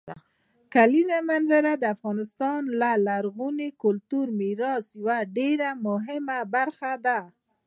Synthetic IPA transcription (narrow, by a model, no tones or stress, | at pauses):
kalizamanzaɾad̪əafɣɑnɪst̪ɑnlalaɾɣunekʊlt̪uɾmiɾɑsjawaɖeɾamʊɦɪmabaɾxad̪a